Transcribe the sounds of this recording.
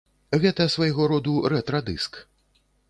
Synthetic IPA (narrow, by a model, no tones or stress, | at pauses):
ɣɛt̪ɐsvajɣɔɾɔd̪uɾɛt̪ɾɐd̪ɨsk